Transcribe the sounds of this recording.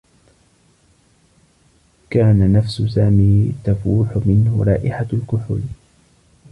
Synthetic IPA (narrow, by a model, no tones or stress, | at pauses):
kaːnanafsʊsaːmiːt̪afuːħʊmɪnhʊ̰ɾˤɑːʔɪħalkʊħʊ̰l